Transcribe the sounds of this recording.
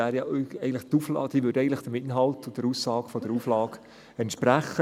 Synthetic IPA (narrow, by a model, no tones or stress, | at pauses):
æːɾjɑʔɛɪɡn̩tləχt̪uːflɑ̰ːd̥iːʋʏːdɛɪəntləχd̥əmɪtɪnɦɑltʊd̥əɾuːsːɑːɡfɔd̥əɾuːflɑːɡ | ɛntʃpɾæχə